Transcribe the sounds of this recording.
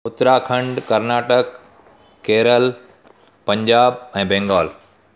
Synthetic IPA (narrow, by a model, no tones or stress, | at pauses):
ʊt̪ɾaːkʰɐ̃ɳɖkɐɾnaːʈəkː | eːɾəl | pɐ̃ɲd͡ʑaːb̚ɛ̃ːbɛ̃ːŋɡaːl